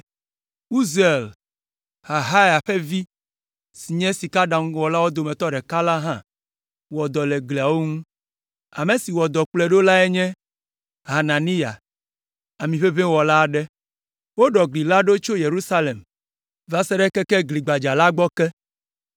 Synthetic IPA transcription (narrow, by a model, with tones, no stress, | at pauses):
u˦ze˨l | ha˨ɦa˦ja˨ɸe˦vi˦ | si˨ɲɛ̃˦si˨ka˦ɖã˨ŋũ˦wɔ˨la˦wo˦d̪o˨mɛ̃˨t̪ɔ˦ɖɛ˨ka˦la˦ɦã˦ | wɔ˨d̪ɔ˨lɛ˨ɡli˨a˨wo˦ŋũ˦ | a˨me˨si˨wɔ˨d̪ɔ˨k͡plɛ˦ɖo˦la˦ɛ˦ɲɛ̃˦ | ɦa˨na˨ni˦ja̰˨ | a˨mĩ˨ɸe˦βɛ̃˦wɔ˨la˦˨ɖɛ˦ | wo˦ɖɔ˨ɡli˨la˦ɖo˦t͡ʃo˦je˨ɾu˦sa˦le˨m | va˨sɛ˦ɖɛ˦kɛ˦kɛ˦ɡli˨ɡ͡ba˨d͡ʒa˨la˦ɡ͡bɔ˦kɛ˦